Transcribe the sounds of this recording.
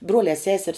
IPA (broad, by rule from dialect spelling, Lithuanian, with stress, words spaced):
ˈbruɔlʲɛː ˈsʲæːsʲɛrʲs